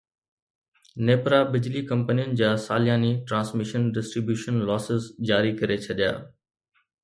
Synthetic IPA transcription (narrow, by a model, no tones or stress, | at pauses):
neːpɾabɪd͡ʑlikɐ̃mpənijənɪ̆d͡ʑaːsaːljaːniʈɾãːnsmɪʃənɖɪsʈɾibjuːʃənlɔːsɪzd͡ʑaːɾikɐɾet͡ɕʰɐɗja̰ː